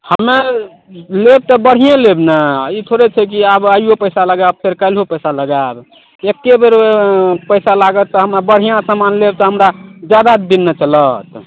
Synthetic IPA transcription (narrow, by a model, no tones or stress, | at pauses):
həme | leb̚t̪ɔbəɽ̤ijãlebnait̪ʰoɾet͡ʃʰɛk̬iabaiopəjsaləɡab̚pʰeɾkəlɦopəjsaləɡab | ekːebeɾpəjsalaɡət̪ːɔɦəmɾabəɽ̤ijãsəmanleb̚t̪ɔɦəmɾad͡ʒjad̪ad̪inːet͡ʃələt̪